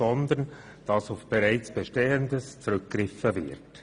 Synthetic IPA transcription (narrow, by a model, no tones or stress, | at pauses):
ɔnd̪ən | d̥ɑsʊfb̥eɾaɪt͡sb̥eʃteːəndəst͡sɾʏkɡ̥ɾɪfəvɪ̰ɾt